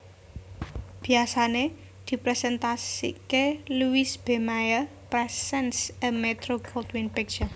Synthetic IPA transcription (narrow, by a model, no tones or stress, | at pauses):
b̥i̤asane | d̪̥i̤pɾɛsɛnt̪asḭkeluisb̥e̤majə | pɾɛsɛnsəmet̪ɾokʰɔlt̪winpɛk̚d͡ʒa